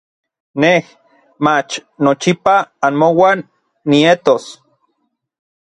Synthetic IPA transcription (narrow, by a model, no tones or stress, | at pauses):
neh | mat͡ʃnot͡ʃipaːnmowanː | iet̪os